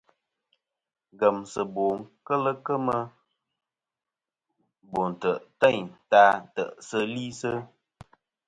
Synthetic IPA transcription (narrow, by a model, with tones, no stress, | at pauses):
ɡə˨msə˨bo˨ŋ˦kə˦lə˦kə˦mə˦ | bo˨n̩˨tə˨ʔtɛ˦˨ɲta˦˨tə̰˨ʔsə˦li˦sə˦